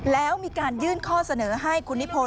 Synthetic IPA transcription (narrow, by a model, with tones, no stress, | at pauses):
lɛː˦˥wmiː˧kaː˧njɯː˥˩nkʰɔː˥˩sa˧nɤː˩˦ɦa˥˩jkʰu˧nːi˦˥pʰo˧